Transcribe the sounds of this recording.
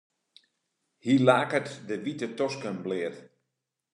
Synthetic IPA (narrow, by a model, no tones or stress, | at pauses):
hiːlaːkətdəʋitətɔskənblɪət